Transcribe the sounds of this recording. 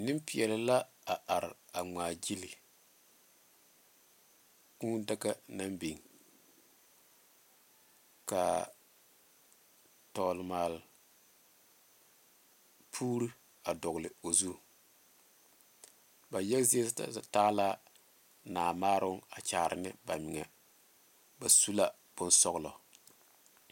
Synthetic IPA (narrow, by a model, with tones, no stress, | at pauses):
nɪ˦mpɪ˨ɛ˨lɪ˨la˦ | a˨ʔa˨ɾa˨ŋʷaː˨d͡ʒi˦li˨ | kũː˦da˦ɡa˦na˦mbi˨ŋ | ka̰˨ | tɔː˨lmaː˨l | pʰuː˦ɾi˦ | a˨dɔ˨ɣlɪ˨o˨zu˦ | ba˨jɛ˦kzi˦e˦ttaː˦la˦ | naː˨maː˦ɾʊ˦ŋa˨t͡ʃaː˨ɾɪ̰˨nɪ˦ba˨mɪ˨ŋɛ˨ | ba˨su˦la˦ | b̥ʊ˦nsɔ˦ɣlɔ̰˨